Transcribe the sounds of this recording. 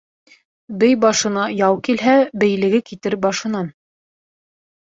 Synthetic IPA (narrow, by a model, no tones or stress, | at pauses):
bɘjbɑʃɤ̆nɑjɑwkilɦæbɘ̆jlɘ̆ɡɘkit̪ɘɾbɑʃɤ̆nɑn